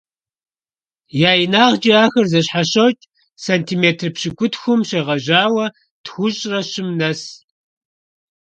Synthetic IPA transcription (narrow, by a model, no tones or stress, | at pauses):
jaːjinaːʁd͡ʒiaːxɐrzɐɕħaɕɐwtʼ | saːntʰiːmeːtʰrpɕɪkʷʊtxʷʊmɕɐʁɐʑaːwɐ | txʷʊɕʼrɐɕɪmnɐs